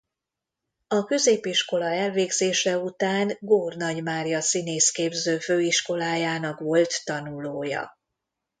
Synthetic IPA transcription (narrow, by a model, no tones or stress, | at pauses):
ɒkø̞zeːpiʃko̞lɒɛlveːɡzeːʃɛut̪aːŋɡoːrnɒɟmaːrjɒsineːskeːbzøːføːiʃko̞laːjaːnɒkʋo̞lt̪ːɒnuloːjɒ̰